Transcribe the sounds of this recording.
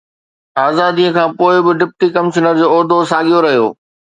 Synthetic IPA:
aːzaːd̪iə̃kʰãːpoːɪbɪɖɪp̚ʈikɐmɪʃənəɾd͡ʑoːɔːɾd̪ʱosaːɠijoɾɐɦijo̰ː

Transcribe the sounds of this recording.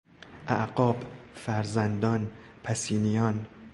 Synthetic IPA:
ʔæʔɡɒːbfæɾzænd̪ɒːn | pʰæsiːnijɒːn

